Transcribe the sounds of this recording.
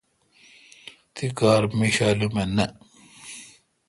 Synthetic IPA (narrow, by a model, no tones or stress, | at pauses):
t̪ʰikaːɾmiɕalumenɐ